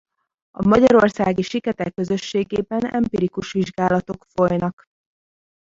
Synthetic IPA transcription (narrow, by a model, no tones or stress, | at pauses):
ɒmɒɟɒɾo̞rsaːɡiʃikɛt̪ɛkːø̞zø̞ʃːeːɡeːbɛnɛ̰mpiɾikuʃʋiʒɡaːlɒt̪o̞kfo̞jnɒk